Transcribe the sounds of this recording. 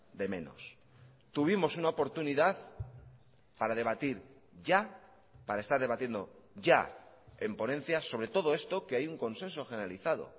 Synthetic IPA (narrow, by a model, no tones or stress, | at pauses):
d̪e̞mẽ̞̰no̞̰s | t̪uβ̞imo̞sunaopo̞ɾt̪uniðað | paɾað̞e̞β̞at̪iɾ | ʝa | paɾae̞st̪aɾð̞e̞β̞at̪je̞nd̪o̞ʝa | e̞mpo̞nẽ̞n̟θjaso̞βɾe̞t̪o̞ð̞o̞e̞st̪o̞keajuŋko̞nsẽ̞nso̞xe̞neɾaliθað̞o̞̰